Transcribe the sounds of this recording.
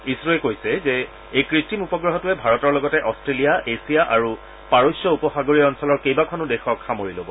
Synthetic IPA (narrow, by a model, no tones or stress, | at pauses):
isɹɔɛkojsɛzɛ | ejkɹitːimupɔɡɹɔɦɔtuɛbʱaɹɔtɔɹlɔɡɔtɛʔɔstɹelijaʔesijaʔaɹu | paɹosjɔupɔxaɡoɹiɔnsɔlɔɹkejbakʰɔnʊdɛxɔkxamoɹilobɔ